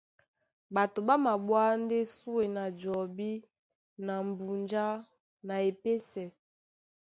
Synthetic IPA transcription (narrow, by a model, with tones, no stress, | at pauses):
ba˨to˨ba˦ma˨bwa˦nde˦su˦e˨na˨d͡ʒɔ˨bi˦ | na˨m˨bu˨nd͡ʒa˦ | na˨e˨pe˦sɛ˨